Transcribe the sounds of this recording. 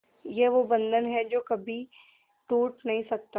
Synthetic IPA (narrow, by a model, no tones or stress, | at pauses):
jeʋobɐ̃nd̪ʱənɦɛd͡ʒoːkɐbʱi | ʈuːʈnɐɦĩsɐk̚t̪a